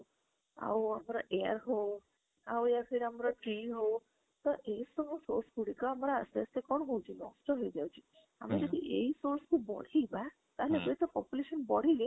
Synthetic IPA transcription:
a̰wamɾaʔeaɾɦow | aweaɾɦeɾamɾaʈɾiɦow | t̪ɔʔesɔmusoɾskuɽikɔamɾasest̪ekɔɳɦowt͡ʃʰinɔ̰sʈɔɦojd͡ʒawt͡ʃʰi | a̰med͡ʒɔd̪iʔejsoɾskubɔ̰ɽ̤iba | t̪aɦelebeit̪ɔpɔpjuleʃɔnbɔɽ̤ile

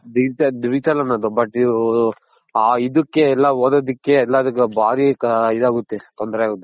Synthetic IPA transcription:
d̪id͡ʒt̪ɐd̪id͡ʒiʈ̪ɐlɐnːɐd̪ubɐʈːi | aːid̪ukːeɛlːaɦoːd̪ɐd̪ikːeɛlːaːd̪ɐkːebaːɾikid̪aːɡut̪ːet̪ɔnd̪ɾeaːɡut̪ːe

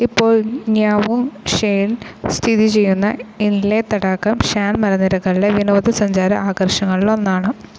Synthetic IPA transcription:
ipːo̞ːɭɲaːʋumʂejlst̪ʰiðit͡ɕe̞jːunːɐ̰inlet̪ːɐɽakːɐmɕaːnmɐɾɐnːiɾɐkːɐɭileʋinɐʋɐðɐsɐɲd͡ʑaːɾɐ̰ʔaːɣɐrʂɐŋːɐɭilo̞nːaːɳɨ

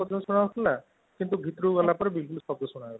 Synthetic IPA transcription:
ɔt̪ʰasuɽ̃awt̪ʰla | kint̪uɡʱit̪ɾuɡɔlapəɾbilkulsɔpt̪ɔsuɽ̃aela

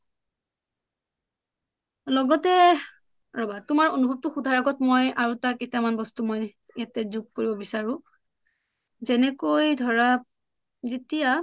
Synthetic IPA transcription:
lɔɡɔtɛ | ɹɔbatʊmaɹonubʱɔb̚tʊxudʱaɹaɡɔtmojaɹutaketamanbɔstumɔj | jatɛzuɡ̚koɹibɔbisaɹʊ̃ | zɛnɛkojdʱɔɹa | zetija

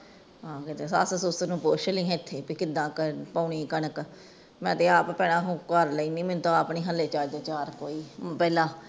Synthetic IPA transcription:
ɦãːkɪt̪eːsa̰ːssosənũːpoːʃəlĩːɦɛ̃ːɪt̪ʰːeːpiːkɪd̪ːãːkpaːɳiːkənək | mɛ̃ːt̪eːaːppɛːɽãːɦkəɾləiːnĩːmɪnt̪aːaːpɳiːɦəlːeːt͡ʃaːd͡ʒd̪oːt͡ʃaːɾkoːiːpɛːlãː

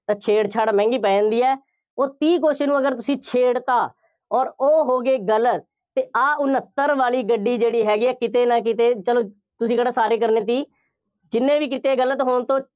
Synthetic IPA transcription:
t̪ãːt͡ʃʰeːɽt͡ʃʰaːɽaːmɛ̃ːŋɡiːpɛ̃ːnd̪iːɛː | oːt̪iːk̬oːʃenũːəɡəɾt̪ʊsĩːt͡ʃʰeːɽt̪aː | ɔːɾoːɦoːɡeːɡələt̪ː | eːʔaːʔʊnət̪ːəɾʋaːliːɡəɖːiːd͡ʒeːɽiːɦɛːɡiːɛːkɪt̪eːnãːkɪt̪eːt͡ʃəloː | t̪ʊsĩːɡəɽaːsaːɾeːkəɾnẽːt̪̬iː | d͡ʒɪnːẽːʋiːkɪt̪eːɡələt̪ɦoːɳt̪õː

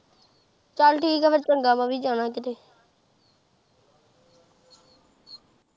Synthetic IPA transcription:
t͡ʃaːlʈiːkaʋət͡ʃkəɳɡaːmãːbʱiːd͡ʒaːnãːkɪt̪eː

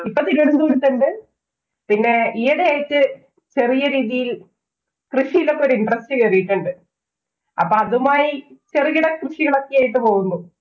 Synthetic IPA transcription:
ipːot̪iɾuɐɽut̪ːuːɽit̪ːɐnɖe | pinːe̞ijɐɽejaːjitːɨ | t͡ɕe̞rijɐɾiːðijil | krɨʂijilokːɐoɾuiɳɖrɐst͡ɕɐɐjɐrijiʈːuɳɖɨ | ɐ̰pːoːɐðumaːjit͡ɕeriɣiɽɐkrɨʂiɣɐɭo̞kːejaːjiʈːɨpo̞ːɣunːu

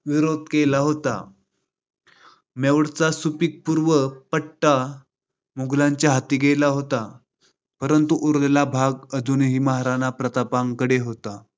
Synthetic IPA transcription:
ʋiɾod̪̚ʱkelaɦot̪a̰ | meʋɽt͡sasupik̚puɾʋəpəɽʈa | muɡlaɲt͡ɕjaɦat̪iːɡelaɦot̪a | pəɾənt̪uʔuɾlelabʱaɡəd͡zunɦiːmaɦaɾanapɾət̪apaŋkəɽeɦot̪a

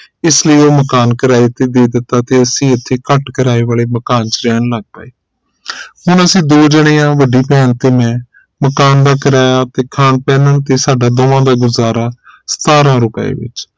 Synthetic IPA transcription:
ɪsləiːoːməkaːnkəɾaːiːt̪eːd̪eːd̪ɪt̪ːaːt̪eːəsĩːət̪ʰːeːkəʈkəɾaːiːʋaːleːməkaːnt͡ʃɾɛːnləɡ̚pa̰ːeː | ɦʊɳəsĩːd̪oːd͡ʒəɽ̃eːãːʋəɖiːpɛːnt̪eːmɛ̃ː | məkaːnd̪aːkəɾaːjaːt̪eːkʰaːnpɛːnənt̪eːsaːɖaːd̪oːãːd̪aːɡʊzaːɾaːsə̥t̪aːɾãːɾʊpəḛːʋɪ̰t͡ʃ

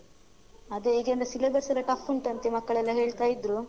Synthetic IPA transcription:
ɐd̪eiːɡend̪ɐsilebɐɾsɐɾɐʈafuɳʈɐnt̪emɐkːɐɭɛlːɐɦe̞ːɭt̪aːjid̪ɾu

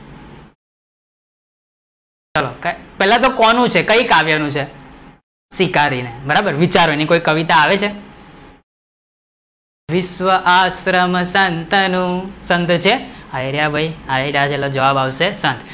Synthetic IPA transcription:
t͡ʃəlokpɛɦlãt̪̬okɔnũt͡ʃʰekəikaʋjanũt͡ʃʰe | sikaɾinebəɾabəɾʋit͡ʃaɾonikoikəʋit̪aːʋet͡ʃʰe | ʋɪʃʋəʔasɾəmsənt̪ənũsənt̪t͡ʃʰeaiɾjabʱəjaiɾat͡ʃʰelod͡ʒəʋabaʋʃesənt̪

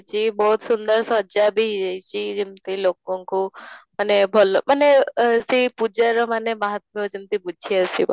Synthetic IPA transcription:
t͡ʃibɔɦut̪sund̪ɔɾsɔd͡ʒabʱid͡ʒajt͡ʃʰid͡ʒimt̪ilok̚ɔŋkumanebʱɔlɔmanesipud͡ʒaɾɔmanemaɦat̪mid͡ʒimt̪ibud͡ʒʱiasib

